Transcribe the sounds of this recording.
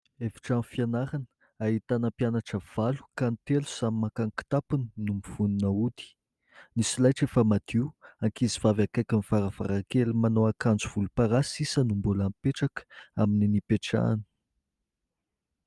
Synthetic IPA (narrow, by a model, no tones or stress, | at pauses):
efi̥ʈ͡ʂanfianaɾanə | aɦit̪anəpjanaʈ͡ʂəv̥alu̥kant̪elu̥sammakaŋki̥t̪apuninumiv̥ununəud̪i̥ | nisilajʈ͡ʂefəmad̪̥iwaŋkizivavakajkʲəmifaɾəv̥a̰ɾakelimanoakand͡zuv̥ulupaɾasisənumbulampeʈ͡ʂakə̥amininipeʈ͡ʂa̰ni̥